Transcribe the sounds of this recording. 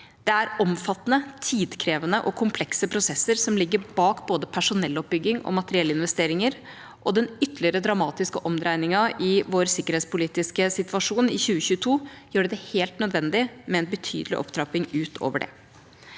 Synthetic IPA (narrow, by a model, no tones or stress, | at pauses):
d̪ɛæɾɔmfɑt̪ːənət̪ʰiːd̪kʰɾeːʋənəʔɔkʰʊmpʰlɛksəpʰɾʊsɛsːəɾsɔmlɪɡːəɾbɑːkboːd̪əpʰæʂʊnɛlːɔp̚bʏɡːɪŋɔ̰mɑt̪əɾɪɛlːɪnʋɛst̪eːɾɪŋəɾ | ʔɔd̪ɛnʏt̪ːəlɪəɾəd̪ɾɑmɑːt̪ɪskəʔɔmd̪ɾæɪnɪŋɑʔɪʋoːɾsɪkəɾheːt̪spʊliːt̪ɪskəsɪt̪ʋɑʂuːnɪ̰çʉːəçʉːət̪ʰuːjøːɖɛd̪ɛheːlt̪nœd̪ʋɛnd̪ɪmɛɛnbət̪ʰy̰ːd̪əlɪʔɔ̰pd̪ɾɑpɪŋʉːt̪ʰo̰ːʋəɖɛ̰